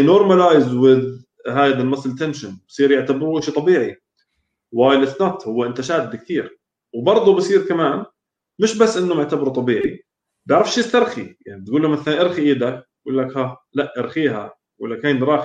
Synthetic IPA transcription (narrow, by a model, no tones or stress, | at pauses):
noːɾˤmalaːjɪzwɪd̪ | haːjd̪almasˤɪlt̪ːanʃanbsˤiːɾjɪʕt̪abɪɾuːʔɪʃit̪ˤɑbiːʕi | whaːjɪlʔɪθnat̪hʊwːaʔɪnt̪aʃaːd̪d̪kθiːɾ | wbɑɾˤd̪ˤubɪsˤiːɾkamaːn | mɪʃbasːʔɪnːʊmɪʕt̪abɾut̪ˤɑbiːʕi | bɪʕɾɑfʃiɪst̪ɑɾˤxḭjaʕnib̚t̪̚ɡuːlːamaθalanʔɪɾxiʔiːd̪a | ɡuːlːakhalaʔʔɑɾxiːɦa̰ | wɪ̰lːakaːnɾˤɑːx